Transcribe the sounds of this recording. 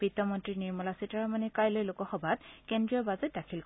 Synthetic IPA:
b̥itːɔmɔntɹiniɹmɔlasitaɹamanɛkajlojlʊkɔxɔbʱatkendɹiɔbazɛt̚dakʰilk

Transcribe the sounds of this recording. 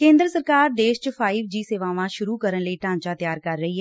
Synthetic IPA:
kẽːnd̪ɾəsəɾkaːɾd̪eːʃt͡ʃpʰaːiʋd͡ʒiːseːʋaːʋãːʃʊɾuːkəɾənləiːʈãːɲt͡ʃaːt̪jaːɾkəɾːəɦiːɦɛː

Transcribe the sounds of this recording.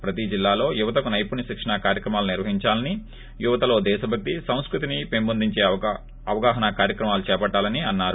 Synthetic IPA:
pɾɐt̪id͡ʒilːaːlo̞ːjuʋɐt̪ɐkunɐjpuniʃikʂɐɳɐkaːɾjɐkɾɐmaːluniɾʋɐɦiɲt͡ʃaːlɐni | juʋɐt̪ɐlo̞ːd̪ɛːʃɐbʱɐk̚t̪isɐ̃w̃skɾut̪inipembond̪iɲt͡ʃe̞ː | ɐʋɐɡaːɦɐnɐkaːɾjɐkɾɐmaːlut͡ʃɛːpɐʈːaːlɐniɐnːaːɾu

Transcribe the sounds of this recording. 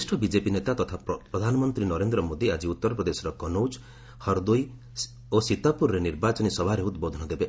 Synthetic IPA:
sʈʰɔbid͡ʒepinet̪at̪ɔt̪ʰapɾɔd̪ʱanɔmɔnt̪ɾinɔɾend̪ɾɔmod̪iad͡ʒiut̪ːɔɾɔpɾɔd̪esɔɾɔkɔnowd͡ʒ | hɔɾd̪uj | osit̪apuɾɾeniɾbat͡ʃɔnisɔbʱaɾeud̪bod̪ʱɔnɔd̪ebe

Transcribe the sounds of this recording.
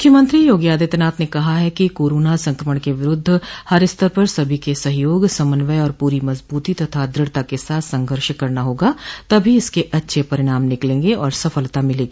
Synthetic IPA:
mʊ̥kʰjəmə̃nt̪ɾijoːɡjaːd̪ɪt̪naːt̪nekɐɦaɦɛkikoːɾoːnasɐ̃ŋkɾəməɽ̃keʋɪɾʊd̪ʱːhɐɾɪst̪ʰəɾpɐɾsɐbʱikesɐɦjoːɡsɐmənʋəjɔːɾpuːɾimɐzbuːt̪it̪ɐt̪ʰad̪ɾɪɽt̪akesaːt̪ʰsɐ̃ŋɡʱəɾʃkɐɾnaɦoːɡat̪ɐbʱiɪskeʔɐtːʃʰepɐɾɪɽ̃aːmnɪklẽːŋɡeɔːɾsɐfəlt̪amɪlẽːɡiː

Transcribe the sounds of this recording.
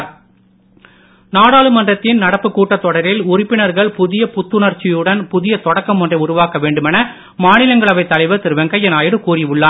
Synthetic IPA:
ɾ | naːɽaːɭɯmɐndrɐt̪ːɪnnɐɽɐpːɯkːuːʈːɐt̪ːɔɽɐɾɪlʊrɪpːɪnɐɾɣɐɭpʊðɪjɐpʊt̪ːɯnɐrt͡ʃɪjɯɽɐnpʊðɪjɐt̪ɔɽɐkːɐmɔndrɐɪʊɾʊʋaːkɐʋeːɳɖɯmɛnɐ | maːnɪlɐŋɡɐɭɐʋɐɪt̪ːɐlɐɪʋɯt̪ɪɾɯʋɐŋkɐjɛnaːjɪɽɯkuːrɪʋɯɭːaː

